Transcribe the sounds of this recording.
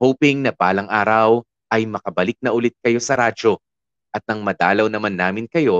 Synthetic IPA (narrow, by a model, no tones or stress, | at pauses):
howpɪŋnɐbaːlɐŋʔaːɾɐw | ʔɐjmɐkɐbɐlɪk̚nɐʔʊlɪt̪̚kɐjo̞sɐɾaːd͡ʒo̞ | ʔɐt̪̚nɐŋmɐd̪aːlɐwnɐmanːaːmɪnkɐjo̞